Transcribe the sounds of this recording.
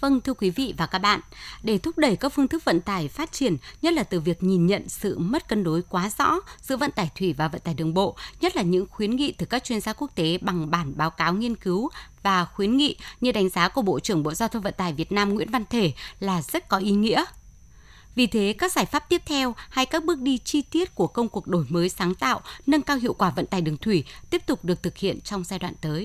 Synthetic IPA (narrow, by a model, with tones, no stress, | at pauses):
və˧nt̪ʰɨ˧əkwi˨˦vḭ˧˨vaː˨˩kaː˦˥k̚ɓa̰ː˧˨nɗe˧˩t̪ʰʊ˦˥k͡p̚ɗə˨˧˩jkaː˦˥k̚fɨ˧ŋt̪ʰɨ˦˥k̚və̰˧˨nt̪aː˧˩jfaː˦˥t̚t͡ɕi˧˩ənɲə˦˥t̚laː˨˩t̪ɨ˨˩vi˨˩ək̚ɲi˨˩nɲə̰˧˨nsɨ̰˧˨mə˦˥t̚kə˧nɗo˨˦jkwaː˨˦zɔ̰˧˥sɨ̰˧˨və̰˧˨nt̪aː˧˩jt̪ʰwi˧˩vaː˨˩və̰˧˨nt̪aː˧˩jɗɨ˨˩əŋɓo̰˧˨ɲə˦˥t̚laː˨˩ɲɨ̰˧˥ŋxwi˨˦nŋḭ˧˨t̪ɨ˨˩kaː˦˥k̚t͡ɕwi˧ənzaː˧ku˦˥ək̚t̪e˨˦ɓa˨˩ŋɓaː˧˩nɓaː˨˦wkaː˨˦wŋi˧ənkɨ˨˦wvaː˨˩xwi˨˦nŋḭ˧˨ɲɨ˧ɗa˨˦jŋ̟zaː˨˦ku˧˩əɓo̰˧˨t͡ɕɨ˧˩əŋɓo̰˧˨zaː˧t̪ʰə˧wvə̰˧˨nt̪aː˨˩jvi˨˩ət̚naː˧mŋwḭ˧˥ənva˧nt̪ʰe˧˩laː˨˩zə˦˥t̚kɔ˨˦ʔi˨˧˦ŋḭ˧˥ə | vi˨˩t̪ʰe˨˦kaː˦˥k̚zaː˧˩jfaː˦˥p̚t̪i˦˥əp̚t̪ʰɛ˧wha˧jkaː˦˥k̚ɓɨ˦˥ək̚ɗi˧t͡ɕi˧t̪i˦˥ət̚ku˧˩əkə˧wŋ͡mku˨˩ək̚ɗo˧˩jməː˨˦jsaː˨˦ŋt̪a̰ː˧˨wnə˧nkaː˧wɦḭ˧˨əwkwaː˧˩və̰˧˨nt̪aː˨˩jɗɨ˨˩əŋt̪ʰwi˧˩t̪i˦˥əp̚t̪ʊ˨˩k͡p̚ɗɨ˨˩ək̚t̪ɨ˨˩k̚hḭ˧˨ənt͡ɕɔ˧wŋ͡mzaː˧jɗwa̰ː˧˨nt̪əː˨˦j